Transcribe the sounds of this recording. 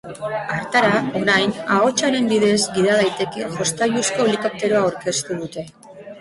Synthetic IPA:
aɾt̪aɾao̞ɾajnao̞t͡ʃaɾe̞mbiðe̞zɡiðað̞ajt̪e̞kiŋʝo̞st̪aʝusko̞liko̞p̚t̪e̞ɾoawɾke̞st̪uð̞ut̪e̞

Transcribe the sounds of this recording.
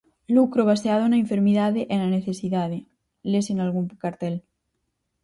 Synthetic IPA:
lukɾoβ̞aseaðoenaeɱfeɾmiðaðeʔenaneθesiðaðe | lesinalɣuŋkaɾt̪el

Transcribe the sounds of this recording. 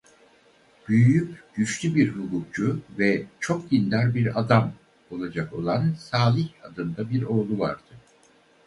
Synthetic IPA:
b̥yjyjypɟ̥yʃlʲybiɾɦukʰuk̚t͡ʃuvɛt͡ʃʰo̞k̚ɟind̪aɾbiɾad̪am | o̞lˠad͡ʒako̞lˠansaːlʲˠiçad̪ɯnd̪abiɾo̞ːlˠuva̰ɾd̪̥ɯ

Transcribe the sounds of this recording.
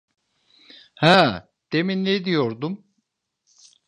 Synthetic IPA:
hæ | d̪̥eminːed̪ijoɾd̪um

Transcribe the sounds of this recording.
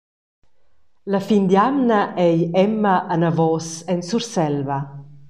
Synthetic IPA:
lafind̪jamnaʔɛjɛmːaʔːnavɔsɛnsuɾsɛlva

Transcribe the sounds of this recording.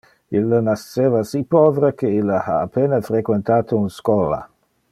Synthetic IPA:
ilːənaseːvasipɔveɾekeilːaha̰ːpenafɾekwent̪aːt̪ounskɔːla̰

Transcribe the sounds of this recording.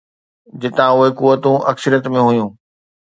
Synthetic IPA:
d͡ʑɪt̪ãʊɦekuːʋət̪ũʔɐksəɾijət̪mẽɦʊjũː

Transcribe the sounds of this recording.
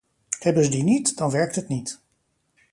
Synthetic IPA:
hɛbənzədinitdɑnʋɛɹk̚tətnit

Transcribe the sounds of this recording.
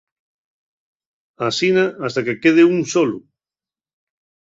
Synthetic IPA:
asinaast̪akekeð̞euŋsolu

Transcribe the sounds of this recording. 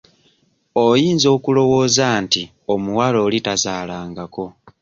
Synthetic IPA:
o̞jiːnzo̞ːkulo̞woːzanti | omuwalo̞ːlitazaːlaːŋɡako̞

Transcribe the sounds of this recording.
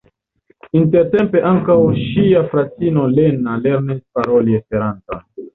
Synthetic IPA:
inte̞ɾte̞mpe̞ʔaŋkawʃiafɾat͡sino̞le̞nale̞ɾnispaɾo̞liespe̞ɾanto̰n

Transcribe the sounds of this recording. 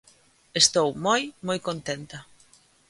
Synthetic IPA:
est̪owmojmojkont̪ent̪ɐ

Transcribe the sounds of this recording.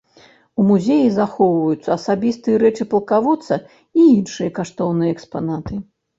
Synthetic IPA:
umuzʲejizaxɔwvɐjut̪sːɐːsabʲist̪ɨjɐɾɛt͡ʂɨpɐlˠkavut̪sːɐ | iinʂɨjɐkaʂt̪ɔwnɨjɐɛkspanat̪ɨ

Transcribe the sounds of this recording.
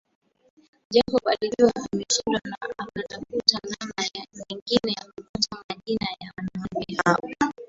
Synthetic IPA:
ʄapɔɓaɗiliwaʔamɛʃiɾana̰ʔakatafutanamamɛŋɡinɛjakukutamaʄinajawanaanbihaɔ

